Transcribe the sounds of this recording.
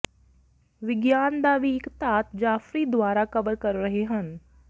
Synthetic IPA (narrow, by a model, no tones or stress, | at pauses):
ʋɪɡjaːnd̪aʋiɪkt̪aːt̪d͡ʒaːfɾid̪waːɾakɐbəɾkɐɾːɐɦeɦən